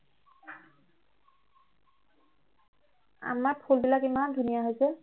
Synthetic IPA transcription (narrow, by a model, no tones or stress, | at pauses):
a̰maɹpʰulbilakimandʱunijaɦojsɛ